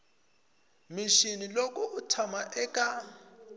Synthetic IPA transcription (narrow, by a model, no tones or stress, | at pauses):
miʃinilokʼuutʰamaʔɛkʼa